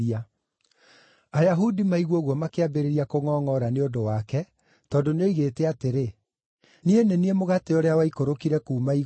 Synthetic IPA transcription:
ia | ajaɦudimaiɣwɔɣwɔmakeabeɾeɾiakoŋɔːŋɔɾaneondowakɛ | tɔːndoneiɣetɛateɾe | nieneniemoɣateoɾeawaikoɾokiɾɛkuːmai

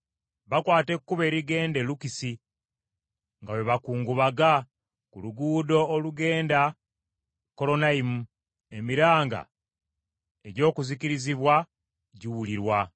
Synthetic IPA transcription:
βakwaːte̞kkːuβeːɾiɡe̞ːnde̞lukisi | ŋɡawe̞βakuːŋɡuβaɡa | kuluɡuːdo̞ːluɡe̞ːnda | ko̞lo̞naimu | emiɾaːŋɡa̰ | e̞ɟo̞ːkuzikiɾiziβwa | ɟiwuliɾwa

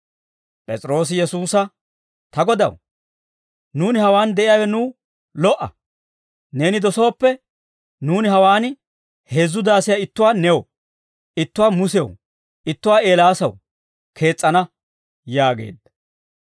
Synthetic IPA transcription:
pʼɛt͡sʼɾo̞ːs̬ɪjɛsuːsɐ | t̪ɐɡɔd̪ɐ̰w | nuːnɪhɐwaːnd̪ɛʔɪjaːwɛnuː | lɔʔɐ̰ | ne̞ːnɪd̪ɔso̞ːpːɛ | nuːnɪɦɐwaːn | he̞ːzːʊd̪aːsɪjaɪt̪ːʊwaːnɛw | ɪt̪ːʊwaːmʊsɛ̰w | ʔɪt̪ːʊwaːe̞ːlaːsɐw | kʰe̞ːt͡sʼːɐnɐ | jaːɡḛːd̪ːɐ̥

